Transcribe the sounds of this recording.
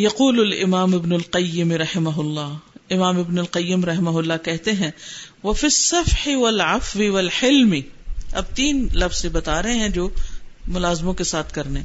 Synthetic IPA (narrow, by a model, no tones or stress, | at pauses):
jɐquːlʊlɪ̰maːmɪbnʊlqɐjːɪmɾɐhɪmɐɦʊlːaːɪmaːmɪbnʊlqɐjːɪmɾɐɦɪmaɦʊlːakɛɦt̪eɦɛ̃ʋɐfɪsːɐfħɪʋɐlʕɐfwiʋɐlħɪlmiɐ̰b̚t̪iːnlɐfz̥ebɐt̪aːɾɐɦẽɦɛ̃d͡ʒoːmʊlaːzmõkesaːt̪ʰkɐɾne